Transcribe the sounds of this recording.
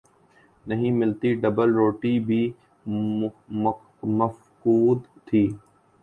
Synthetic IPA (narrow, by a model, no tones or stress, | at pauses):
nɐɦĩmɪlt̪iɖɐbəlɾoːʈibʱi | məf | kuːd̪t̪ʰiː